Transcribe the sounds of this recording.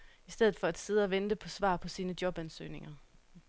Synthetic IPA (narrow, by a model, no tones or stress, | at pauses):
isd̥eð̩ˠfɒ̽æd̥se̝ð̞̩ˠɒʋend̥əpʰɒ̽sʋɑ̰̈ːpʰɒ̽siːnəd̥jɒ̽b̥ænsø̰ːne̝ŋɐ